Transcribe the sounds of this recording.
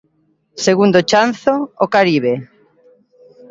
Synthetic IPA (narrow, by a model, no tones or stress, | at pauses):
seɣund̪ot͡ʃanθoːkaɾiβe